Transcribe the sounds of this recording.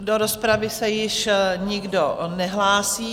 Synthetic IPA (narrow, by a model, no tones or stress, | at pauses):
doɾospɾavɪsɛjɪʃɲɪɡdonɛɦlaːsiː